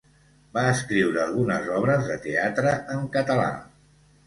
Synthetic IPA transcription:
baəskɾiwɾəːlˠɣ̞unəzɔβɾəzðət̪eat̪ɾəʔəŋkət̪əla̰

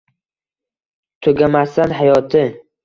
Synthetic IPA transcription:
t̪ʰɵɡʲamast̪anɦajɒt̪ʰɪ

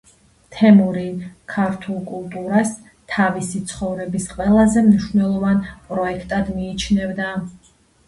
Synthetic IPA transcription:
t̪ʰɛmuɾikʰaɾt̪ʰulˠkʼulˠt̪ʼuɾas | t̪ʰavisit̪sʰχɔvɾɛbisqʼwɛlˠazɛmniʃvnɛlˠɔvanpʼɾɔɛkʰt̪ʼad̪miːt͡ʃʰnɛvd̪a

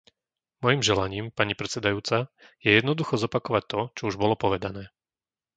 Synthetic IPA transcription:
mɔjimʒɛlaɲiːmpaɲipɾɛtt͡ssɛd̪ajuːt͡sajɛjɛd̪nɔd̪uxɔzɔpakɔʋac̚t̪ɔt͡ʃɔuʒbɔlɔpɔʋɛd̪anɛː

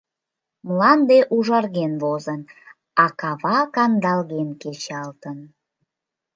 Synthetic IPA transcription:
mlɑnd̪eʔuʒɑrɣenvozən | ɑkɑβɑkɑnd̪ɑlɣenket͡ɕɑlt̪ən

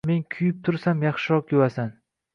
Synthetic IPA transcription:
me̞nkʲʰʊjɪp̚t̪ʰʊɾsamjɑχʃɪɾɒqjʊwasan

